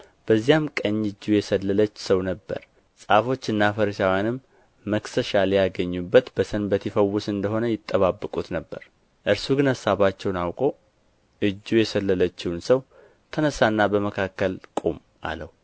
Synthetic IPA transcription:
b̥əzːijamkʼəɲːɨd͡ʒːujɛsəlːələt͡ʃːsəwnəbːə̰ɾ | sʼafo̞t͡ʃːɨnːafəɾəʃawjanɨmː | əksəʃaljaɡəɲːubːət̪bəsənbət̪ʰifəwːʊsɨnd̪əɦo̞nəjɪt̪ʼːəβabːɨkʼut̪nəbːəɾ | ʔɨɾsuɡɨnasaβat͡ʃːɛwnawkʼo̞ | ʔɨd͡ʒːujɛsəlːələt͡ʃːɪwnsəw | t̪ʰənəsanːabəməkʰakːəlkʼum | ʔa̰ləwu

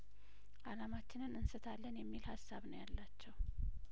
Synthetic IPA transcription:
ʔalamat͡ʃːɪnɨnɨnsɨt̪ʰalːənjɛmːilhasːaβnəwjalːat͡ʃːɛw

